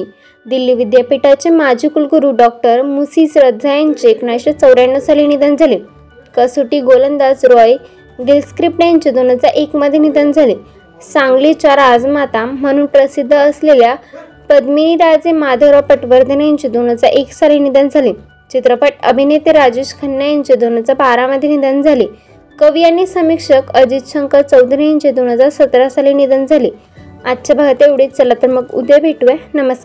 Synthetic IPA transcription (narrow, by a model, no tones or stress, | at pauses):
d̪ilːiʋid̪japiʈat͡ɕemad͡ʑʱikulɡuɾuɖɔk̚ʈəɾmusiːsɾəd̪d͡zajaɲt͡ɕeːknajɕat͡səwɾjaɳɖəsalinid̪ənd͡zʱale | kəsoʈiːɡolənd̪at͡sɾɔj | ɡilskɾip̚ʈajɲt͡ɕed̪onət͡saʔekməd̪ʱːjenid̪ənd͡zʱale | sãŋɡlit͡ɕaɾad͡zmat̪amːəɽ̃ũːnpɾəsid̪ʱːəːslelja | pəd̪miɾad͡zemad̪ʱəɾəpəʈʋəɾd̪ʱənajaɲt͡ɕid̪on̤əd͡zaɾʔeksalinid̪ənd͡zʱaliː | t͡ɕit̪ɾəpəʈə̰bʱinet̪iɾad͡ʑeɕkʰənːajaɲt͡ɕed̪on̤əd͡zabaɾaməd̪ʱːjenid̪ənd͡zʱaliː | kəʋijanːisəmikʂəkəd͡ʑit̪ɕəŋkət͡səwd̪ʱɾijaɲt͡ɕed̪onɦəd͡zaɾsət̪ɾasalinid̪ənd͡zʱaliː | at̪ːt͡ɕabʱaɡt̪eʋɽet͡st͡səlat̪əɾməɡṵd̪ebʱeʈuʋenəməsa